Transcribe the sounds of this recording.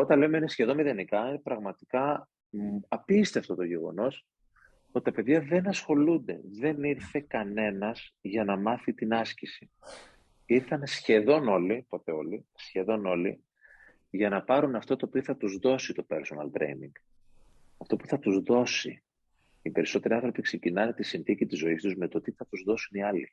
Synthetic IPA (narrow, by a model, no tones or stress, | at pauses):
o̞t̪ɐnle̞umeinesçe̞ðo̞nmiðenikɐinepɾɐɣmɐt̪ikɐ | ɐpist̪e̞ɐft̪ot̪o̞ʝe̞ɣo̞̰no̞s | ot̪i̥t̪ɐpe̞ðʝɐðe̞nɐsxo̞lund̪e̞̰ðe̞niɾθe̞kɐne̞nɐzʝɐnɐmɐθit̪inɐscisi | iɾθɐnsçe̞ðo̞no̞lipo̞t̪e̞o̞lisçe̞ðo̞no̞lḭ | ʝɐnɐpɐɾunɐft̪o̞t̪oːpioθɐt̪uzðo̞sit̪o̞pe̞ɾso̞nɐlt̪ɾḛjnḭŋɡ̥ | ɐft̪o̞puθɐt̪uzðo̞sḭ | ipe̞ɾiso̞t̪e̞ɾiɐ̃nθɾo̞pikse̞cinɐnet̪isinθicit̪izo̞ist̪uzme̞t̪o̞t̪iθɐt̪uzðo̞suniɐli